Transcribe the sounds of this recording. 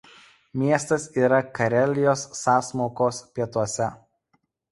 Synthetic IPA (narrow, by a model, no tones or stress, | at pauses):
mʲiɛst̪ɐsiːɾɐkɐɾʲɛlʲɪjoːsːɑːsmoːkoːspʲiɛt̪uɔsʲɛ